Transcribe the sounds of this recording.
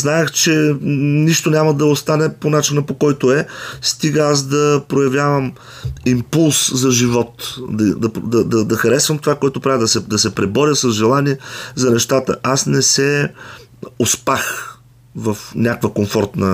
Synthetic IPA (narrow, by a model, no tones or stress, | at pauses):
znaɛxt͡ʃɛniʃt̪onʲaməd̪ɐost̪anɛponat͡ʃinəpokɔjt̪oɛst̪iɡəas̬d̪ɐpɾojɐvjavəm | impulˠszɐʒivɔt̪d̪ɐd̪ɐpd̪ɐd̪ɐd̪ɐxɐɾɛsvɐmt̪ovakoɛt̪opɾavid̪ɐsɛd̪ɐsɛpɾɛbɔɾʲjəsɐzʒɛlˠaniɛzɐnɛʃt̪at̪ə̰ʔasnɛsɛ | ospax | vəfnʲakvəkomfɔɾt̪nə